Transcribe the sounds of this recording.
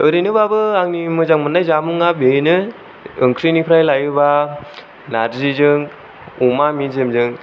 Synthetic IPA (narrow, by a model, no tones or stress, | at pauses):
ɯɾɯjnɯbabɯaŋnimɯzaŋmɯnajzamuŋabejnɯ | ɯŋkʰɾinipʰɾajlajɯba | naɾzizɯŋ | umaminzemzɯŋ